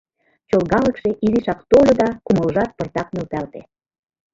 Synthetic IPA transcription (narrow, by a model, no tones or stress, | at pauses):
t͡ɕolɣɑlə̆kʃeʔiliʃɑkt̪olʲod̪ɑkumə̆lʒɑt̪̚pə̆rt̪ɑk̚mølt̪ælt̪ḛ